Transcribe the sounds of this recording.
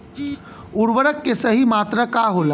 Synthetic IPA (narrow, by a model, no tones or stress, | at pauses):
ʊɾʋəɾəkːesəɦimaːt̪ɾəkaɦola